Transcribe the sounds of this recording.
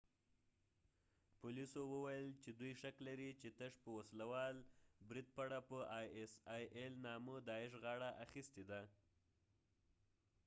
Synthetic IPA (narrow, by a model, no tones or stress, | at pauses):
pʊlisowəwajəlt͡ʃed̪ujʃaklaɾit͡ʃet̪əʂpəwaslawɑlbɾid̪̚paɽapəsɑjʔelnɑməd̪ɑɪʃ̬ɣɑɽaʔaxist̪ed̪a